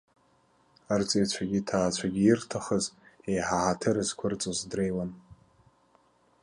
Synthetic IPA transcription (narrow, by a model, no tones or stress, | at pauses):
art͡sʼejt͡ɕʷʰaɡʲitʰaːt͡ʃʷʰaɡʲiːrtʰaχəzejħaʕatʰɨɾɨzkʷʰʊrt͡sʼozdrejlan